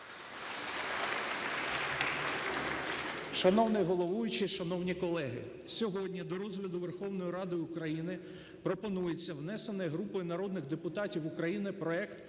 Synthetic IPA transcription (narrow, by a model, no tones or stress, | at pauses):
ʃɐnɔwnɪjɦɔlˠɔʋujʊt͡ʃɪʃɐnɔwnʲikɔlˠɛɦɪ̰ | sʲɔɦɔdʲnʲid̪ɔɾɔzɦlʲɐd̪ʊʋerxɔwnɔjiɾɑd̪ɪʊkɾɐjinɪ | pɾɔpɔnujet͡sʲːɐwnɛsenɛɦɾupɔjʊnɐɾɔd̪nɪɣd̪epʊt̪ɑtʲiwʊkɾɐjinɪpɾɔɛkt̪